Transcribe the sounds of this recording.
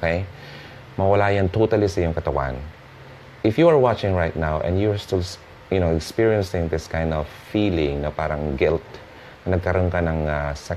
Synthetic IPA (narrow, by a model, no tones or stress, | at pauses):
okej | mɐwɐlaːjant̪ot̪ɐlisɐʔijʊ̃ŋkɐt̪ɐwa̰n | ʔɪfjuaɹwat͡ʃɪ̃ŋɹajt̪̚nawʔɛ̰̃njʊɹst̪ɪls | jʊnoɛkspiɹiɛ̃nsɪ̃ŋðɪskãj̃nd̪ɔv̥fiːlɪ̃ŋnɐpaːɾɐŋɡɪlt̪̚ | nɐnɐɡ̚kɐɾonkanɐŋasa